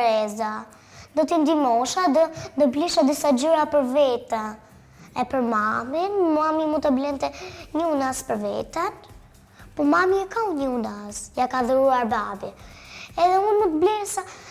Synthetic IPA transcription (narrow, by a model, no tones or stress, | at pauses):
ɾɛza | d̪ɔt̪ind̪imɔʃad̪ɔd̪ɔbliʃad̪isad͡ʑuɾapəɾvɛt̪a | ɛpəɾmaminmamimunt̪əblɛnt̪ɛɲəunaspəɾvɛ̰t̪an | pɔmamiɛkauɲəunasjakaðəɾuaɾbabiɛðɛunmut̪əblɛɾsa